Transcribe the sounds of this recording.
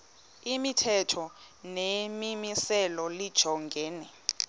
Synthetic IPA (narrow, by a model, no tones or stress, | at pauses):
imitʰɛtʰɔ | nemimisɛlɔlid̥ʒ̥ʱɔŋɡʱɛːnɛ